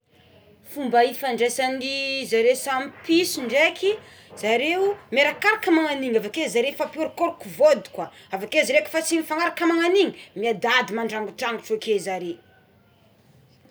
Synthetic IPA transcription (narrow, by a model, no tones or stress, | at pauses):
fumbaifaɳɖ͡ʐesanizaɾesamipisiɳɖ͡ʐekʰi | z̥aɾeumeɾakaɾakəmaŋaniŋavakezaɾefapioɾikoɾukuvod̪i̥kwa | avakezaɾeki̥fat͡sinifaŋaɾakəmaŋaniŋimiad̪ad̪imaɳɖ͡ʐaŋɡuʈ͡ʂaŋɡuʈ͡ʂakezaɾe